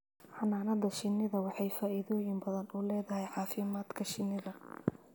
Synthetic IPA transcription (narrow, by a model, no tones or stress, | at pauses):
ħɑnaːnɐðɐʃɪnːɪðɐwɑħɑjfaːʔɪðɔːjɪmbɐðɐnuːlɛːðɐɦɛjʕɑːfɪmaːd̪kʰɐʃɪnːɪðɐ